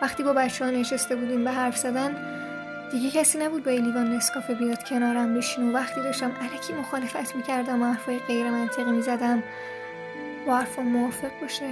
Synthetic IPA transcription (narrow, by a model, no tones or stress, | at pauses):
væχt̪iːbɒːbæt̪t͡ʃʰːehɒːneʃest̪e̞buːd̪iːmbeɦæɾfz̥æd̪æn | d̪iɟecʰæsiːnæbuːd̪̚bɒeliːvɒːnːeskɒːfebijɒːd̪̥cʰenɒːɾæmbiʃiːnovæxt̪iːd̪ɒːʃt̪æmʔælæcʰiːmo̞xɒːle̞fæt̪ʰmiːcʰæɾd̪æmoæɾfɒːjeɣe̞jɾemænt̪ʰe̞ɣimiːzæd̪æm | bɒæɾfonmoɒːfe̞ɣbɒːʃe